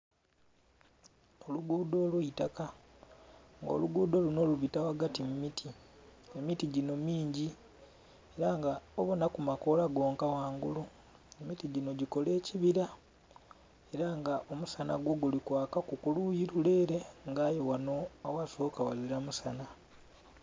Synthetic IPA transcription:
o̞luɡuːdo̞ːlwuitaka | ŋɡo̰luɡuːdo̞luno̞luβitawaɡatimumitʰiemitiɟino̞miːɲɟi | e̞ɾaŋɡaoβonakumako̞laɡo̞ːŋkawaːŋɡulu | emitiɟino̞ɟiko̞le̞ːciβiɾa | e̞ɾaŋɡaʔo̞musana̰ɡwoɡulikwaːkakukulujiɾule̞ːɾe̞ŋɡaːjowanoawaso̞ːkawaliɾamusana

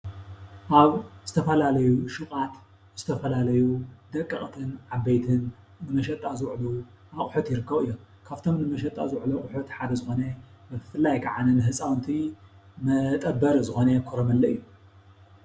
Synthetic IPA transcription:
ʔaβzɨt̪ʰɐfɐlalɐjuʃɨχʼat̪ | z̥ɨt̪ʰɐfɐlalɐjud̪ɐkʼːɐχʼt̪ʰɨnʕabejt̪ʰɨn | nɨmɐʃ̬ɐt̪ʼːazɨwʕlu | ʔaχʼħut̪jɪɾɨkːɐβɨjːom | kʰaβt̪ʰo̞mnɨmɐʃɐt̪ʼa̰zɨwʕloχʼʊħut̪ħad̪ɐzɨxo̞nebɨfɨlːajkʰaʕanɐnɨɦɨsʼawnt̪ʰimɐt̪ʼɐbːɐɾzɨxonekʰoɾɐmɐlːɐɨjːuu

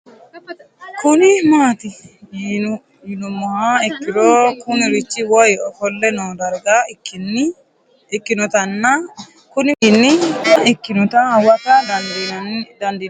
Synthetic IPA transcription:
kʊnɪmaːt̪ɪ | jɪnʊmːɔhaɪkːɪɾoːkʊnɪɾɪt͡ʃːɪwɔjɔfɔlːɛnɔd̪ɐɾɡan | ɪkːɪnʊt̪ɐnːa | kʊnɪnːɪɪkːɪnʊt̪awɐkɐ | d̪ɐnd̪ɪ

